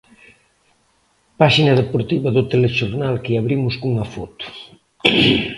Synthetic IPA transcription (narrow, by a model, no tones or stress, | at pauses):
paʃinɐðepoɾt̪iβɐðʊt̪eleʃoɾnalkeaβɾimʊskuŋɐfɔt̪ʊ̥